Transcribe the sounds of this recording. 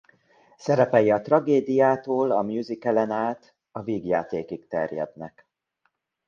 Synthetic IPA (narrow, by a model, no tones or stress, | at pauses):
sɛɾɛpɛjɒt̪rɒɡeːd̪ijaːt̪oːlɒmjuzikɛlɛnaːt̪ | ɒviːɡja̰ːt̪eːkik̚t̪ɛrjɛ̰d̪nɛ̰k